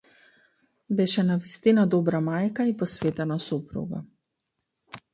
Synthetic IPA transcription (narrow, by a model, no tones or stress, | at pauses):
bɛʃɛnavist̪inad̪ɔbɾamajkaipɔsvet̪ɛnasupɾṵɡa̰